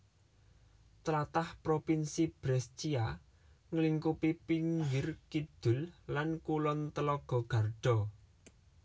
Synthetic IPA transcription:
t̪əlat̪ahpɾopinsib̥ɾɛst͡ʃia | ŋəliŋkupipiŋɡɪrkid̪̥ʊ̤llankulɔnt̪əlɔɡ̥ɔ̤ɡ̥ä̤rɖ̥ɔ̤

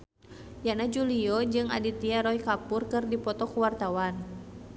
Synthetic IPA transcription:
janad͡ʒuliɔd͡ʒɨŋa̰dit̪iaɾɔikapʊrkɨrdipɔt̪ɔkuwart̪awan

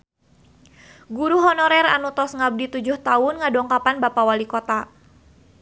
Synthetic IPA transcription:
ɡuɾuɦɔnɔɾɛra̰nut̪ɔsŋab̚dit̪ud͡ʒʊht̪aʊnŋadɔŋkapanbapawalikɔt̪a

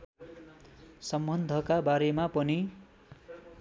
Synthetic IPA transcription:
sʌmbʌnd̪ʱʌkabaɾemapʌni

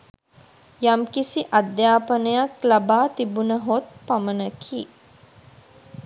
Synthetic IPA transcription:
jamkisiʔad̪jaːpənəjaklabaːt̪ibunəɦot̪̚pamənəkʰiː

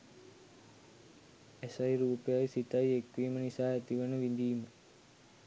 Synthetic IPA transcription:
esɐjɾuːpejajsit̪ajekʋiːmənisaːet̪iʋənəʋind̪iːmə

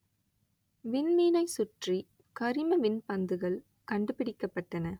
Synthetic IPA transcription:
ʋɪnmiːnɐɪsʊʈri | kɐɾɪmɐʋɪnpɐnd̪ɯɣɐɭ | kɐɳɖɯpːɪɽɪkːɐpːɐʈːɐnɐ

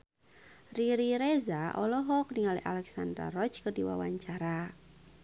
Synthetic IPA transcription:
riɾiɾezaʔɔlɔɦɔk̚niŋaliʔa̰lɛksanda̰rɔt͡ʃkərdiwa̰waɲt͡ʃaɾa

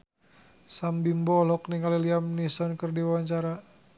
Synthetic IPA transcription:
sambimbɔlɔkniŋaliliamnisɔnkərdiwawaɲt͡ʃaɾa

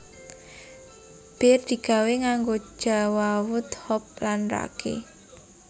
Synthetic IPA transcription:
b̥erd̪̥i̤ɡ̥a̤weŋaŋɡo̥d͡ʒ̥a̤wawʊt̪hɔp̚lanra̰kʰḛ

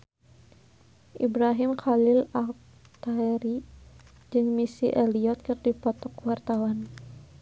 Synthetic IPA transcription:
ʔibɾaɦimkalɪlak̚ | t̪aɛɾi | d͡ʒɨŋmisiʔɛliɔt̪̚kɨrdipɔt̪ɔkwart̪awan

